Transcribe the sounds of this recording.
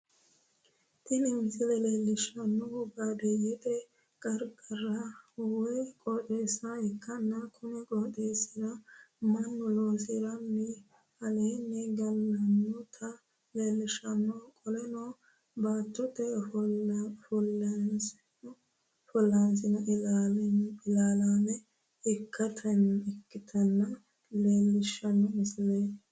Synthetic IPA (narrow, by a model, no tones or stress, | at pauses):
t̪ɪnɪmsɪlɛleːlːɪʃɐnːɔʊɡabeːjɪt̪ɛ | kʼɐɾɡɐrɐwɔjkʼɔt̪ʼeːsːɐhɛkːɐnːɐkʰʊnɛkʼɔt̪ʼeːsɪɾɐmɐnːɔloːs̬ɪɾɐnːɛ | ɐleːnːɛɡɐlːɐnːɔt̪ʰɐ | leːlːɪʃɐnːɔkʼɔlɛnɔ | baːt̪ːɔt̪ːɛ | fɔlːɐnsɪnɔ | fɔlːansɪnɐʔaɪlaːlanɛ | ɪkːɐt̪ʰɐnɛkːɪt̪ʰɐnːɐ | leːlːɪʃɐnːɔɪsle